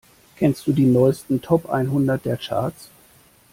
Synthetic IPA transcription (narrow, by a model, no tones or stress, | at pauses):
kʰɛnst̚d̥uːdiːnɔʏstn̩tʰɔpʔa̰ɪnɦʊndɐt̚d̥eːɐt͡ʃʰa̰ɐt͡s